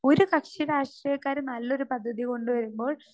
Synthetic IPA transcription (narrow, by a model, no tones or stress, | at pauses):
o̞ɾukɐkʂiɾaːʂʈrijɐkːaːɾnɐlːo̞ɾupɐd̪ʱːɐðiko̞ɳɖɨʋɐɾumbo̞ːɭ